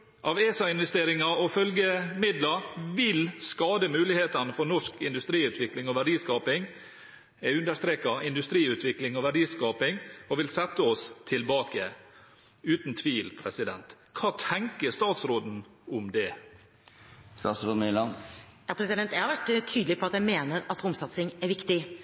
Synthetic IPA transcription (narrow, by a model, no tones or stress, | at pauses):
ʔɑʋeːsɑɪnʋɛst̪eːɾɪŋɑɔfœlɡəmɪd̪lɑʋɪlskɑːd̪əmʉːlɪheːt̪ɑnəfɔnɔʂkɪnd̪ʉst̪ɾiːʉːt̪ʰʋɪklɪŋɔʋæɖiːskɑːpɪŋ | ɛʉnd̪əʂt̪ɾeːkɑɪnd̪ʉst̪ɾiːʉːt̪ʋɪklɪŋɔʋæɖiːskɑːpɪŋɔʋɪlsɛt̪ːəɔst̪ʰɪlbɑːkə | ʉːt̪n̩t̪ʰʋiːlpʰɾɛsɪd̪ɛnt̪ | kʰɑːt̪ʰɛŋkəst̪ɑːt̪sɾoːd̪n̩ | ʊmd̪ɛ | st̪ɑːsɾoːd̪mɪlɑnjɑpʰɾɛsɪd̪ɛnt̪jæhɑɾʋæʈt̪ʰyːd̪l̩ɪpʰɔɑt̪jæɪmeːnəɾɑt̪ɾʊmsɑt̪sɪŋæɾʋɪkt̪ɪ